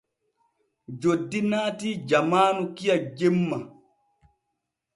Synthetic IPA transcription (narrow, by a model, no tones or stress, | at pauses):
d͡ʒodːinaːtid͡ʒamaːnukijad͡ʒemːa